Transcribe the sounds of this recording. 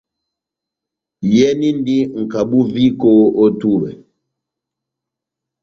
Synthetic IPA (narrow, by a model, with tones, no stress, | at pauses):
jɛ˦ni˦n˦di˦ŋ̩˨ka˨ɓu˦vi˦ko˦o˦tu˦wɛ̰˨